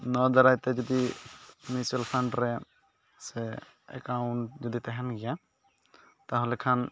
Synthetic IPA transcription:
nɔd̪aɾajt̪ɛd͡ʒɔd̪imisɛlpʰaɳɖɾɛ | sɛ | ɛ̰kawɳʈ̚d͡ʒɔd̪it̪ɛɦɛnɡija | t̪aɦɔlɛkʰan

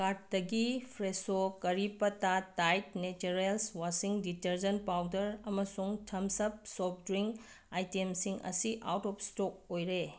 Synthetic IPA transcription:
kat̚dɐɡipʰɾesokɐɾipɐtatajtnet͡ʃeɾelswasiŋditeɾd͡ʒɐnpawdɐɾɐmɐsuŋtʰɐmsɐp̚sɔp̚dɾiŋ | ajtemsiŋɐ̰siʔa̰wtɔpstok̚ojɾe

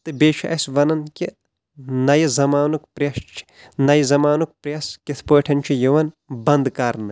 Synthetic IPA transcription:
t̪ɨbʲeːt͡ʃʰiʔɐsʋɐnɐnkʲi | nɐjizɐmaːnukpɾʲjɐʃt͡ʃʰi̥ | nɐjizɐmaːnuk̚pɾʲjɐskʲit̪ʰpəːʈʰɐnt͡ʃʰijiʋɐn | bɐnd̪kaːɾnɨ

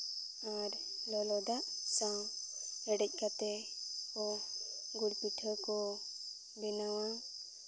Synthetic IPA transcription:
aɾ | lɔlɔd̪aʔsã | ɛɽɛc̚ˀkat̪ɛkɔ | ɡuɽpiʈʰəkɔ | binawã

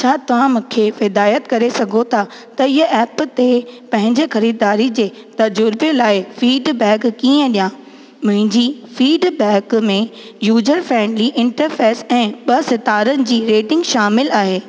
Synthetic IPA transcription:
t͡ɕʰaːt̪ɐʋ̤ãmʊ̃kʰefɪd̪aːjət̪kɐɾesɐɡʱot̪ʰa | t̪ɐɪɦəɛːpt̪epɐ̃ɦɪ̃ɲd͡ʑexɐɾiːd̪aːɾid͡ʑeː | t̪ɐd͡ʑʊɾbelaːɪfiːɖbɛ̃ːkkiːə̃ɗijãː | mʊ̃ɦɪ̃ɲd͡ʑifiːɖbɛːkmẽ | juːd͡ʑəɾfɛːmliʔɪ̃ɳʈəɾfeːsɛ̃ːɓɐsɐt̪aːɾənɪ̆d͡ʑiːɾeːʈɪ̃ŋɡʃaːmɪlaːɦeː

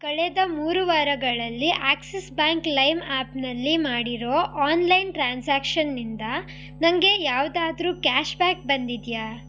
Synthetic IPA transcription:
kɐɭed̪ɐmuːɾuʋaːɾɐɡɐɭɐlːiʔaːksesbaːŋklɐjmaːpnɐlːimaːɽiɾo̞ːʔaːnlɐjnʈɾaːnsaːkʃɐnːind̪ɐ | nɐŋɡe̞jaːʋd̪aːd̪ɾuːkaːʃbaːk̚bɐnd̪id̪jaː

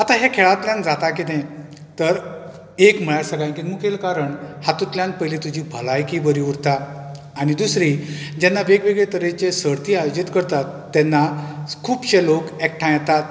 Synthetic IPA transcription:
at̪aɦekʰeɭat̪ljãnd͡zat̪akit̪ẽ | t̪əɾ | ekm̤əɭaɾsəɡajkinmukʰelkaɾəɳhat̪ut̪ljãn̚pəjlet̪ud͡ʑʱiːbʱəlajkibəɾiuɾt̪aː | ɽ̃id̪usɾid͡ʑɛnːaʋeɡʋeɡɭet̪əɾet͡ɕesəɽt̪iːajod͡ʑit̪kəɾt̪at̪ːɛnːakʰuːpɕelokɛk̚ʈʰãjɛt̪at̪̚

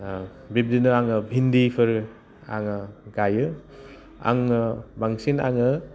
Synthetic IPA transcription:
bib̚dinɯaŋɯbʱindipʰɯɾ | a̰ŋɯɡajɯ | a̰ŋbaŋsina̰ŋɯ

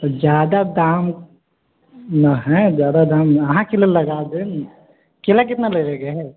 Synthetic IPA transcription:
d͡ʒjaːd̪ad̪aːm | naɦɛ̃d͡ʒjaːd̪ad̪ãːmɐɦãkellɐɡaːd̪en | kelak̬ɪt̪naleːɾeɡeɦɛ

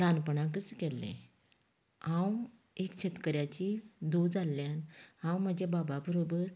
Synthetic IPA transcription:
ɾanpəɳak̬ət͡səkɛlːḛ̃ | hãw | ekt͡ɕʰet̪kəɾjat͡ɕid̪ud͡zalːjanhãwməd͡ʑabababəɾobəɾ

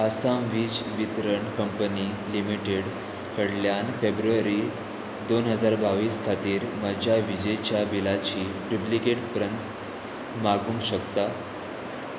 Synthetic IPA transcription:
əsamʋiːd͡zʋit̪ɾəɳkəmpəni | limiʈeɽ | kəɽljanfebɾuʋaɾi | d̪onɦəd͡zaɾbaʋiːskʰat̪iːɾmad͡ʑjaʋid͡ʑejt͡ɕjabilat͡ɕiːɖuplikeʈpɾənt̪ | maɡuːnɕəkt̪a

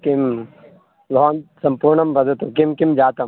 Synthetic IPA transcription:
kim | baːnsɐmpuɾɳɐmbʱɐd̪ɐt̪ũkimkimd͡ʒaːt̪ɐm

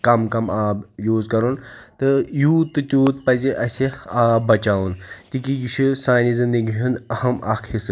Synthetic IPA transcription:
kɐmkɐmaːbjoːzkɐɾunt̪ɨjuːt̪ːɨt̪ʲoːt̪pɐziʔɐsʲiaːbbɐt͡ʃaːwunt̪ikijiʃʰusaːjnizɨnd̪iɡʲiɦunɐhɐmɐkʰis

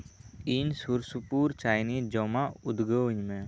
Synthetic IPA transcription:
insuɾsupuːɾt͡ʃaːjniːd͡ʒɔmaʊd̪ɡəʋɲmẽ

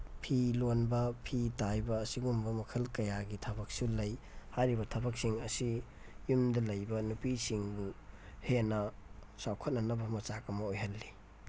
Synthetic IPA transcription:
pʰilonbɐpʰitajbɐːsiɡumbɐmɐkʰɐlkɐjaɡitʰɐbɐk̚sulɐj | hajɾibɐtʰɐbɐk̚siŋɐsi | jumdɐlɐjbɐnupisiŋbuhenɐsawkʰɐt̚nɐnɐbɐmɐt͡ʃakɐmɐojɦɐlːi

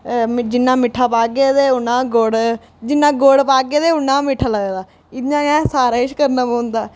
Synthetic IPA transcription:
d͡ʒɪnːãːmɪʈʰːaːpaːɡeːd̪eːʊnãːɡoːɽ | d͡ʒɪnːãːɡoːɽpaːɡeːd̪eːʊnːãːmɪʈʰaːləɡeːd̪aː | ɪd̪nãːɛ̃ːsaːɾaːɪʃkəɾnãːbnd̪aː

